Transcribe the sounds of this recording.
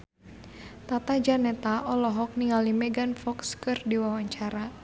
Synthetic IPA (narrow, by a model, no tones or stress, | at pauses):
t̪at̪ad͡ʒanɛt̪aʔɔlɔɦɔk̚niŋɡalimɛɡanfɔkskɨrdiwawaɲt͡ʃaɾa